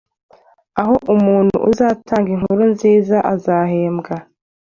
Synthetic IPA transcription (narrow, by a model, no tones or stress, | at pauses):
aɦo̞ʔumuːn̥hṵʔuzaːtaːŋɡiŋ̥huɾunziːzaʔazaːhe̞ːmɡa